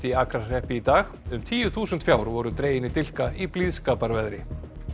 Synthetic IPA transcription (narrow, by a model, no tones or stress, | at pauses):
t̪iakɾasɛhpɪit̪aːxʏmt̪ʰiːjʏθuːsʏnt̪fjaːwɾvɔɾʏt̪ɾeːjɪnːɪt̪ɪl̥kaipliðskaːpaɾvɛðɾɪ